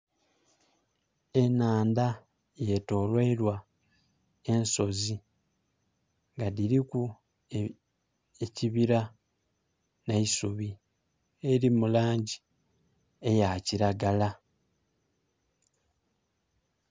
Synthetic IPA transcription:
e̞naːnda | je̞to̞ːlweːlwa | e̞nso̞zi | ŋɡadiɾiku | eciβiɾa | neisuβi | eɾimulaːɲɟi | ejaciɾaɡala

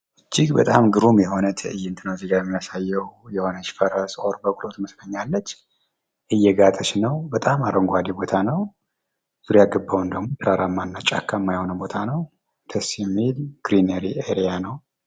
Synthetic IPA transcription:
ʔɨd͡ʒːiɡbət̪ʼamɡɨɾumjɛho̞nət̪ʰəɨjːɨnt̪ʰɨnəwziɡajɛmːijasajːɛwjɛho̞nət͡ʃːfəɾəsʼʔoɾbəkʼulo̞t̪məsləɲːalːət͡ʃː | ʔɨjːɛɡat̪ʼət͡ʃnəwbət̪ʼamaɾʔəŋɡoad̪ibo̞t̪ʰanəw | z̥uɾjaɡəbːawund̪əɡmo̞t̪ʰɨɾaɾamːanːat͡ʃʼa̰kʰːamːajhonəmbo̞t̪ʰanəw | d̪ʰəsjɛmːilɡ̥ɾineɾiʔeɾijanəw

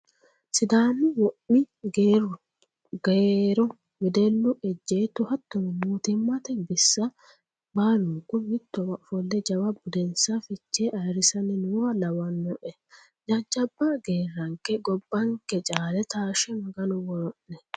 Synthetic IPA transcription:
sɪd̪aːnːɪwɔʔːɪ | ɡeːrːʊ | ɡeɾɔ | wɪd̪ɛlːʊʔɛd͡ʒːeːt̪ʊhɐt̪ːɔmɛnuːt̪ɛmːɐt̪ɛbɪsːɐ | baːlʊŋkːʊmɪt̪ːɔwɐfɔlːɛd͡ʒɐwɐbʊd̪ɛnsɐfɪt͡ʃːeːʔɐjɾɪsɐnɪnwɐlɐwɐnːɔʔɛ | d͡ʒɐd͡ʒːɐbːaɡe̞ːrːɐŋkɛɡɔbːɐŋkɛt͡ʃʼaːlɛt̪aːʃɛmɐɡɐnʊwɔɔʔːɛ

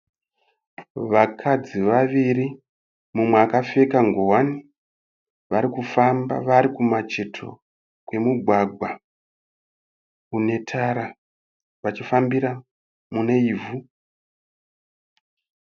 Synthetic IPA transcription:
ʋakʰad͡ziʋaʋiri | mumweakafe̞kaŋɡowani | ʋaɾikufamba̰ʋaɾikumat͡ʃe̞tʰo̞̰ | kwe̞muɡʱwaɡʱwa | une̞tʰaɾa | ʋat͡ʃifambiɾa | mune̞ivu

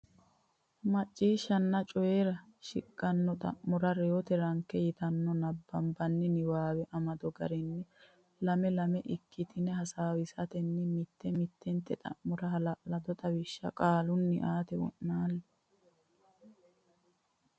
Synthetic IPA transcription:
mɐt͡ʃʼːiːʃːɐnːɐt͡ʃʼɔjeɾɐʃɪ̰kʼːɐnːɔt̪ʼɐ̰ʔmʊɾɐɾɛɔt̪ɛɾɐŋkːɛjɪt̪ɐnːɔnɐbːɐmbɐnːɪnɪwaːwɛʔɐmɐd̪ɔɡɐ̰ɾɛnːɪ | lɐmɛlɐmɛʔɪkːɪt̪ɪnɛɦɐsaːwɪsɐt̪ɛnːɪmɪt̪ːɛmɪt̪ːɛnt̪ːɛt̪ʼɐ̰ʔmʊɾɐɦɐlɐʔlɐd̪ɔt̪ʼɐwɪʃːɐ̰kʼaːlʊnːɪ̰ʔaːt̪ɛwɔ̰ʔːaːlːɛ

